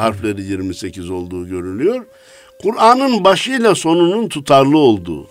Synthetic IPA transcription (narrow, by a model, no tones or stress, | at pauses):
haɾflˠeɾijiɾmise̞cʰizo̞lˠd̪uːɟø̞ɾylʲyjo̞ɾ | kʰuɾaːnɯnbaʃɯjlˠaso̞nununt̪ʰut̪ʰaɾlˠɯo̞lˠd̪ṵː